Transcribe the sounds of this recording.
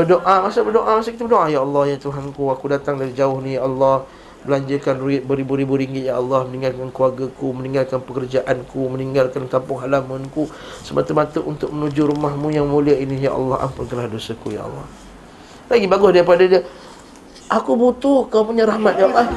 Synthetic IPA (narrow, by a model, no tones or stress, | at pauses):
bədoʔamasabərdoʔamasakit̪əbərdoʔajaɑlːɑhjat̪uɦankuakudat̪aŋdaɾid͡ʒaʊhnijaʔɑlːɑh | bəlaɲd͡ʒakanrbəɾibuɾibuɾiŋɡɪt̪̚jaʔɑlːɑhmənĩŋɡalkankəluaɡakuməniŋɡalkanpəkərd͡ʒaʔankuməniŋɡalkankampʊŋɦalamənku | səmʔat̪umat̪əʔunt̪ʊk̚mənud͡ʒuɾumahmũjaŋmuliainija̰ʔɑ̰lːɑha̰mpʊnkanlahdosakuja̰ʔɑ̰lˤːɑ̰h | laɡibaɡʊsdaɾipadadiə | ʔakubut̪ʊhkaapuɲaɾahmat̪̚jaɑlˠːɑ